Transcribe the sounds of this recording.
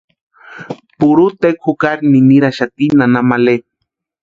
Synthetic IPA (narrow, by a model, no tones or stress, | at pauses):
puɾut̪ekʰukaɾniniɾaʃat̪inanamale